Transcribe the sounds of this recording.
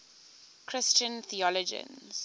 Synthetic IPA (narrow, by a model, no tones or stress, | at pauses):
kʰɹɪst͡ʃə̃nθiɔlɔd͡ʒə̰̃nz̥